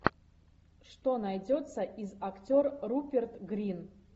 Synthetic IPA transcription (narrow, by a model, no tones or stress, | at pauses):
ʂt̪o̞najdʲo̞t̪sɐʔizaktʲorːupʲert̪ɡrʲin